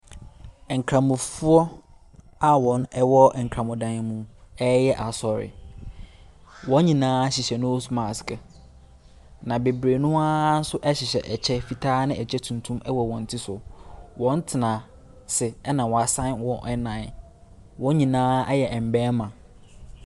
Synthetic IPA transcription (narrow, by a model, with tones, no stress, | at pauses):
ɛ˨ŋ̩˨kʰɾã˨mʊ̃˨fu˦ɔ˦ | a˦wɔ̃˨nɛ˦wɔ˦˨ŋ̩˨kʰɾã˨mʊ̃˨dã˨n˨mũ˦ɛ˦jɛ˦ʔa˨sɔ˨ɾɪ̰˨ | wɔ̃˨˦ɲĩ˨nãː˦ɕɪ˨ɕɛ˨nʊ̃˦o˦su˦mã˨skɛ˨ | nã˨be˨bɾe˨nʊ̃˦a˦n̩˦sʊ˦ʔɛ˦ɕɪ˨ɕɛ˨ʔɛ˨t͡ɕʰɛ˦fi˨tʰaː˦nɪ̃˦˨ɛ˨t͡ɕʰɛ˦tʰũ˨n˨tʰũ˦mɛ˦wɔ˨wɔ̃˨n̩˨tʰɪ˦sʊ˨wɔ̃˦n̩˦tʰɪ˨nã˨ | sɪ˨ɛ˦nã˨wɔ˨a˨sã˦nwɔ̃˨ʔɛ˦nã˨n˨ | wɔ̃˦ɲĩ˨nãː˦ɛ˦jɛ˨ɛ˨m̩˨bɛː˦mã˨